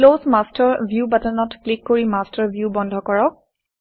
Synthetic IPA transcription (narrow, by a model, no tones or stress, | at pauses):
losmastɔɹbʱjubatanɔtklikːoɹimastəɹbʱjubɔndʱɔkɔɹɔk̚